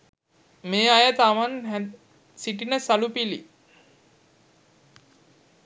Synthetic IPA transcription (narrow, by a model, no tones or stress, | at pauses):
meːajət̪amanɦ | siʈinəsalupilḭ